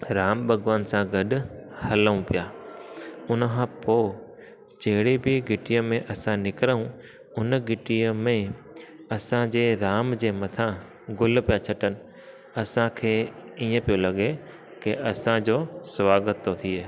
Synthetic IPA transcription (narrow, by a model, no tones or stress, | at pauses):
ɾaːmbʱɐɡʋaːnsãɡɐɗʊ̆hɐlũpijaː | ʊnəkʰãpoː | d͡ʑɐɦɪɽibɪɡɪʈijəmẽʔɐsãnɪkɾəũ | ʊnəɡɪʈiəmẽ | ɐsãd͡ʑeːɾaːmd͡ʑeːmɐt̪ʰã | ɡʊl̆pijat͡ɕʰɐʈənɪ̆ | ɐsãkʰeːiːə̃pijolɐɠe | kɪʔɐsãd͡ʑoːsʋaːɡət̪ːot̪ʰie